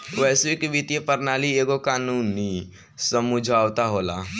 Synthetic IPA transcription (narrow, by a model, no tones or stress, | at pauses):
ʋɛːskebit̪ijepəɾnaːlieːɡokaːnuːni | səmʊd͡ʒʱaːwt̪aɦoːla̰